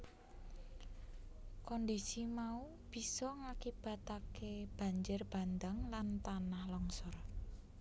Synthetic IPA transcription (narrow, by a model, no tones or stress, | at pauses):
kɔndisimau | b̥i̤sɔŋakib̥a̤t̪akeb̥a̤ɲd͡ʒɪrb̥a̤nd̪aŋlant̪anahlɔŋsɔr